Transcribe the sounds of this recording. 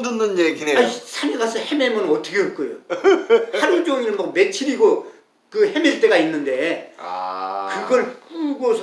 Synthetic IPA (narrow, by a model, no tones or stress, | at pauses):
dɯnːɯneɡieaisʰaniɡasʰʌhememʌnɯnʌt͈ʌkʰeɯt̚k͈ojo | haɾɯnt͡ɕoŋinɯnmʌk̚me̞t͡ɕʰiɾiɡo | kɯhemiɭt͈eɡainːɯnde̞ | kɯɡʌɭp͈uɡosʰ